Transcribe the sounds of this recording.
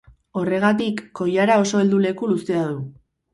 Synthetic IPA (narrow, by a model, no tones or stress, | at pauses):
o̞re̞ɣ̞at̪ikːo̞jaɾao̞so̞e̞ld̪ule̞kulust̪eað̞u